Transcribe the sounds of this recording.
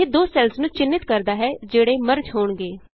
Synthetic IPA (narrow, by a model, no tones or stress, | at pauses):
ed̪oːsɛlsnũːt͡ʃɪnːɪt̪kəɾd̪aːɦɛːd͡ʒeːɽeːməɾd͡ʒɦoːɳɡeː